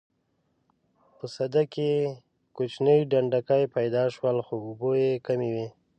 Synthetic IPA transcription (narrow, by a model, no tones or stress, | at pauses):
pəsad̪ake | kut͡ʃnəjɖaɳɖakajpajd̪ɑʃwəlxoʊbojekamiwe